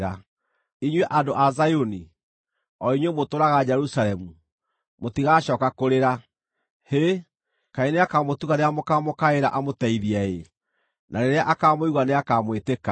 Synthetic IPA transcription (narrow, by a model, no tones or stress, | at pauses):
ɾa | iɲwɛʔadoʔazajoni | ɔiɲwɛmotoɾaɣad͡ʑɛɾusaɾɛmu | motiɣaɕɔːkakoɾeɾa | he | kaineakaːmotuɣaɾeamokamokaeɾa̰ʔamotɛiðiɛe | naɾeɾeaʔakaːmoiɣwaneakaːmweteka